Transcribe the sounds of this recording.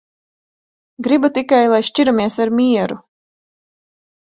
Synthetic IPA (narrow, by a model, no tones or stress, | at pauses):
ɡɾibat̪ikajlˠajʃt͡ʃiɾamiɛsaɾmʲiɛɾu